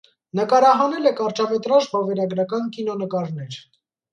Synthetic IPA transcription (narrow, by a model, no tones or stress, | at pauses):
nəkɑɾɑɦɑnɛlɛkɑɾt͡ʃɑmɛt̪ɾɑʒbɔvɛɾɑɡɾɑkɑnkinɔnəkɑɾnɛɾ